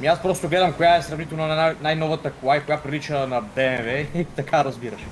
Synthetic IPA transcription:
miaspɾɔst̪oɡlɛd̪ɐmkojaɛsɾɐvnit̪ɛlˠnonnanajnɔvɐt̪ɐklˠajkojapɾilit͡ʃənɐd̪ɛmɛvɛit̪ɐkaɾɐzbiɾɐʃɛ̥

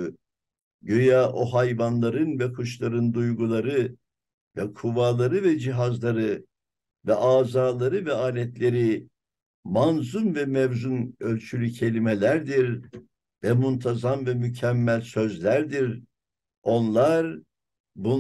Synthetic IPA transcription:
ɟøjaːʔoɦajvanlˠaɾɯnvɛkʰuʃlˠaɾɯnd̪ujɡulˠaɾɯ | vɛkʰuvaːlˠaɾɯvɛd͡ʒiɦazlˠaɾɯ | vɛʔaːzaːlˠaɾɯvɛaːnʲɛt̪lʲe̞ɾi | manzumvɛmɛvzunø̞lʲt͡ʃʰylʲycʰe̞lʲimelʲæɾd̪iɾ | vɛmunt̪ʰazamvɛmycʰɛmːælʲsø̞zlʲæɾd̪iɾ | o̞nlˠaɾ | bu

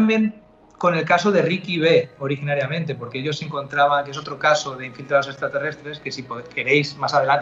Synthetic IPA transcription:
mbje̞ŋ | ko̞ne̞lkasoð̞e̞rikiβ̞e̞o̞ɾixinaɾjamẽ̞nt̪e̞po̞ɾkeeʎo̞seŋkõ̞nt̪ɾaβ̞aŋkeso̞t̪ɾo̞kaso̞ðe̞iɱfilt̪ɾaðo̞se̞st̪ɾat̪e̞re̞st̪ɾe̞skesipoke̞ɾe̞jsmasaðelant̪

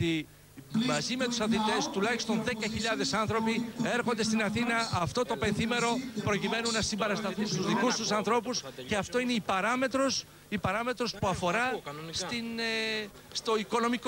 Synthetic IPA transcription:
t̪i | mɐzime̞t̪u̥sɐθit̪e̞st̪ulɐçi̥st̪o̞nðe̞kɐçiʎɐðe̞sɐnθɾo̞pie̞ɾxo̞nd̪e̞st̪inɐθinɐɐft̪o̞t̪o̞pe̞nθime̞ɾo̞pɾo̞cime̞nunːɐsimbeɾɐst̪ɐθunst̪uzðikust̪usɐnθɾo̞pusce̞ɐft̪o̞ine̞ipɐɾɐme̞t̪ɾo̞s | ipɐɾɐme̞t̪ɾo̞spuɐfo̞ɾɐst̪in | st̪o̞iko̞no̞miko

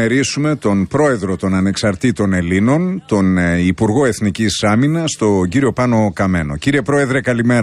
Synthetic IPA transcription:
eɾisume̞t̪o̞npɾo̞e̞ðɾo̞t̪o̞nɐne̞ksɐɾt̪it̪o̞ne̞lino̞nt̪o̞nipuɾɣo̞e̞θnicisɐminɐst̪o̞ɟiɾio̞pɐno̞kɐme̞no̞̰ciɾie̞pɾo̞e̞ðɾe̞kɐlime̞ɾ

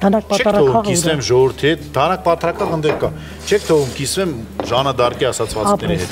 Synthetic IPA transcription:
d̪ɑnɑk̚pɑt͡ʃʰɛɾtʰɔvumkisvɛmʒɔvuɾt̪ʰiɦɛt̪̚ʰd̪ɑnɑk̚pɑt̪ʰɾɑkɑʁənd̪ɛɾkɑ | t͡ʃʰɛk̚ʰt̪ʰɔvumkisvɛmʒɑnəd̪ɑrkɛɑsɑt͡sʰvɑt͡sʰnɛɾiɦɛt̪

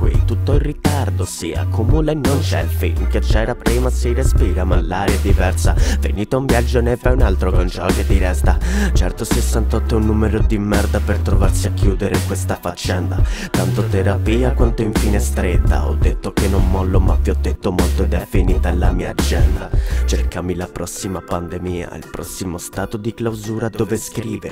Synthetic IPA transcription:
kwḭt̪ut̪ːoilrːit̪ard̪osiːa̰kʰomulenːont͡ʃɛ̰lfḭlmket͡ʃːɛːɾapɾiːmasirespiːɾamalːaːɾjad̪ivɛrsavḛniːt̪auɱvjad͡ʒːonevajunalt̪ɾokont͡ʃɔked̪ːiɾɛst̪at͡ʃɛ̰rt̪osesːant̪ɔt̪ːounːuːmeɾod̪imːɛrd̪apert̪ɾovarsiakʰːjuːd̪eɾekwest̪afat͡ʃːɛnd̪a̰t̪ant̪ot̪eɾapiːakwant̪oiɱfiːnest̪ɾet̪ːa̰ɔ̰d̪ːet̪ːokenːomːɔlːomaviɔd̪ːet̪ːomolt̪od̪afːiniːt̪alːamiːa̰d͡ʒɛnd̪at͡ʃerkamilapɾɔsːimapand̪emiːa̰ḭlpɾɔsːimost̪aːt̪od̪iklawzuːɾad̪oːveskɾiːveɾ

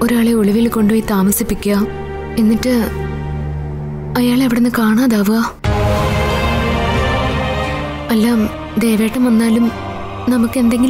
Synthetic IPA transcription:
oɾaːɭe̞oɭiʋilko̞ɳɖoːjit̪aːmɐsipːikʲːuɐ | enːiʈːɨ | ɐjaːɭeɐʋiɽenːɨkaːɳaːðaːʋɨaː | ɐlːaːm | d̪ejʋeːʈːɐmʋɐnːaːlum | nɐmukːe̞nd̪e̞ŋɡil

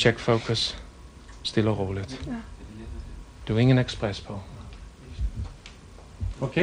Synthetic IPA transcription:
t͡ʃɛkfowkəsː | tɪləroːlət | d̥uɪŋə̃nɛksprɛspolˠ

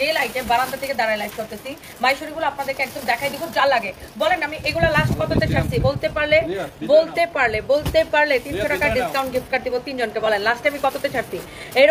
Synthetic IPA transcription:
elajʈebaɾant̪at̪ʰeked̪aɾajlajfkoɾt̪et͡ɕʰi | majʃoɾiɡuloapnad̪eɾkeɛk̚d̪omd̪ɛkʰajd̪ikʰud͡ʑalːaɡe | bɔlenamiʔeɡulalasʈkɔt̪ot̪et͡ɕʰaʈt͡ɕʰibolt̪epaɾlebolt̪epaɾlebolt̪epaɾlet̪inʃoʈakaɖiskaw̃ɳʈ̚ɡʱipkaɾd̪ibot̪ind͡ʑonkebɔlenlasʈaamikɔt̪ot̪et͡ɕʰaʈ̚t͡ɕʰi | eɾ

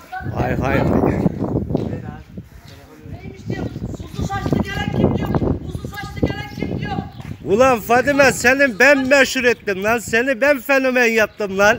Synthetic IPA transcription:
hɑjɦɑjɦɑ̰j | bulˠɑnfɑd̪imɛsɛnɪbɛnmɛʃuɾet̪ːɪmlˠɑnsɛnɪbɛnfenomɛnjɑp̚t̪ɯmlˠɑn

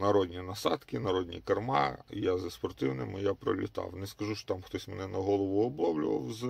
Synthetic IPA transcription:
nɐɾɔd̪ʲnʲinɐsɑd̪kɪnɐɾɔdʲnʲḭkɐrmɑ̰jazɐspɔrt̪ɪwnɪmɪjapɾɔ̰lʲɪ̰t̪ɑ̰wnɛskɐʒuʃt͡ʃɔ̥t̪ɑmxt̪ɔsʲmɛnɛnɐɦɔlˠɔʋʊɔblˠɔwlʲʊ̰ʋɐ̰wz

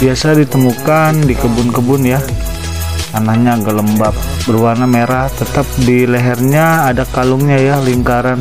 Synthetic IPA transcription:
biasadit̪əmukandikəbʊnkəbʊnja | anahɲaɡələmbap̚ | bərwanameɾaht̪ət̪ap̚diləɦɛrɲaːdakalʊŋɲajahliŋkaɾan

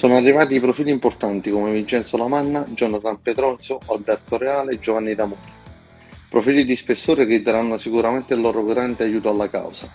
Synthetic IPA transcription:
sɔːnoarːivaːt̪̬iːpɾofiːlimport̪ant̪ikomevint͡ʃɛnt̪solamanːad͡ʒɔnːat̪ampet̪ɾɔnt̪soalbɛrt̪oɾeaːled͡ʒovanːid̪amuːɾi | pɾofiːlid̪ispesːoːɾek̟ɪd̪aɾanːosikuɾament̪eɪlːɔːɾoɡɾand̪eajuːt̪oalːaka̰wsa

